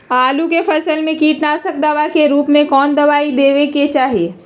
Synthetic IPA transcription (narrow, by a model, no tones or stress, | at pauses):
aːlukepʰɐsəlmẽkiːʈnasɐk̚d̪aʋakeɾuːpmẽkɔːnd̪ɐʋaːid̪eːʋeket͡ʃaːɦieː